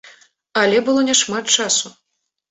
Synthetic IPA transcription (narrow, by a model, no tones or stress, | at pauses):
ɐlʲɛbɨlˠɔnʲɛʂmat̪̚t͡ʂasu